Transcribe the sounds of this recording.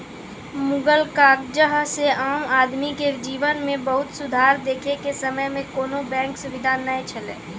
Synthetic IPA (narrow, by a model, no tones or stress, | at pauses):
mʊɡəlkaːk̚d͡ʒəɦseaːmaːd̪miked͡ʒiːʋənmẽbəɦʊt̪sʊd̪ʱaːɾd̪eːkʰekesəməjmẽkoːnobɛ̃ːŋksʊʋɪd̪ʱanəĩt͡ʃʰəlḛː